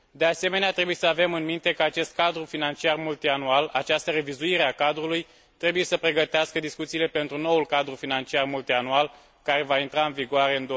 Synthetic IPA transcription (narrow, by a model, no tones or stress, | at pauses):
d̪e̞ase̞me̞neat̪ɾe̞buje̞səave̞mɨnmint̪e̞kəat͡ʃe̞st̪̚kad̪ɾufinant͡ʃiarmult̪ianualat͡ʃast̪əre̞vizuiɾeakad̪ɾuluj | t̪ɾe̞buje̞səpɾe̞ɡət̪easkəd̪iskut̪siːle̞pe̞nt̪ɾuno̞ulkad̪ɾufinant͡ʃiarmult̪ianual | kaɾe̞vaint̪ɾaɨnviɡoaɾe̞ɨnd̪o